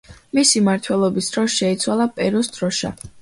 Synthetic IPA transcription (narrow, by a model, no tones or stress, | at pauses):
misimaɾt̪ʰwɛlˠɔbisd̪̥ɾɔsʃɛit̪sʰwalˠapʼɛɾɔsd̪̥ɾɔʃa̰